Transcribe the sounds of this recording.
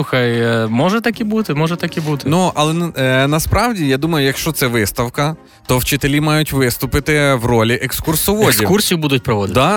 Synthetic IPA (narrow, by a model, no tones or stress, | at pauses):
uxɐjmɔʒɛt̪ɐkibut̪ɪmɔʒɛt̪ɐkʲibut̪ɪnuɐlˠɛnɐspɾɑwdʲijad̪umɐjʊjɐkʃt͡ʃɔt̪sɛʋɪst̪ɐwkɐ | t̪ɔwt͡ʃɪt̪elʲimɑjʊtʲʋɪst̪ʊpɪt̪ɪwrɔlʲiʔekskursɔʋɔd̪ʲikursʲijʊbud̪ʊt̚ʲpɾɔʋɔd̪dɪd̪ɑ